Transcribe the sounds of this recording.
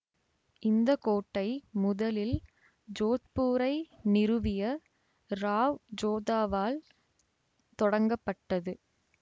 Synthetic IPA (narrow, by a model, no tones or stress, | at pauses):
ʔɪnd̪ɐkoːʈːɐɪmʊðɐlɪl | d͡ʒoːt̪puːɾɐɪnɪɾɯʋɪjɐ | ɾaːʋd͡ʒoːðaːʋaːl | t̪ɔɽɐŋɡɐpːɐʈːɐðɯ